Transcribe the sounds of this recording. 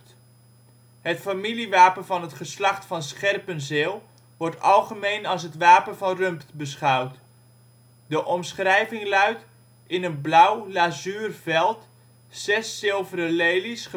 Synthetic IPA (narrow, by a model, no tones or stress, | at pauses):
ɦətfamiliʋaːpənvɑnɦətχəslɑχtfɑnsχɛrpənzɪːlˠ | ʋɔɹtɑlˠχəmejnɑlˠs̬ɦətʋaːpənvɑnrɵmptbəsχʌwt | dəʔɔmsχrɛjvɪŋlœɥt | ɪnənblʌwlazyːrvɛlˠt | sɛsːɪlˠvəɾəlejlisχə